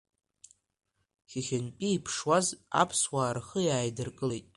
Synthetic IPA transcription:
χʲɪχʲɪnpʼiipʰʂwaza̰pʰswaːrχəjaːjdɨrkʼɨlejtʼ

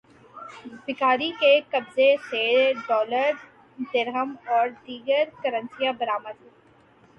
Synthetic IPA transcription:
bɪkaːɾikekɐbzeseːɖɔːləɾ | d̪ɪɾɦəmɔːɾd̪iːɡəɾkɐɾə̃nsijãbɐɾaːməd̪ɦeː

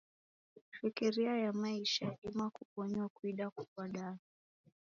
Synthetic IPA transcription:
fikiɾiajamaiʃaɗimakukɔɲakwiɗakukwaɗa

